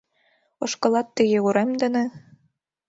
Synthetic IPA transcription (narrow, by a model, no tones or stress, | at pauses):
oʃkɤ̆lˠɑt̪ːɘɣeuɾemd̪ɘ̆nɘ̆